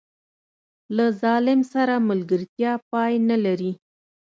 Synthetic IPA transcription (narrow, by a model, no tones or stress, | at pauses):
lazɑlɪmsaɾamʊlɡəɾt̪jɑpɑjnalaɾi